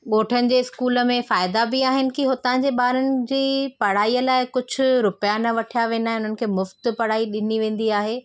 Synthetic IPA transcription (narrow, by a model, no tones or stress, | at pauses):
ɠoːʈʰənɪ̆d͡ʑeːɪskuːlə̆mẽfaːɪd̪abɪaːɦɪnɪ̆kiɦʊt̪ãːd͡ʑeːɓaːɾənɪ̆d͡ʑiːpɐɽaːijəlaːɪkʊd͡ʑʱʊ̆ɾʊpjanɐʋɐʈʰijaʋẽːnd̪aːɦẽʊn̤ənɪ̆kʰeːmʊft̪pɐɽ̤aːiɗɪniʋẽːn̆d̪iaːɦeː